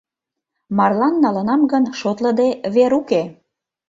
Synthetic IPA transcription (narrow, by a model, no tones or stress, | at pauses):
mɑrlɑnːɑlənɑmɡənʃot̪ləd̪eβeɾuke